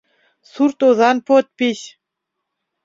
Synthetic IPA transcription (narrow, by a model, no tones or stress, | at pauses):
suɾt̪ozɑnpot̪̚piɕ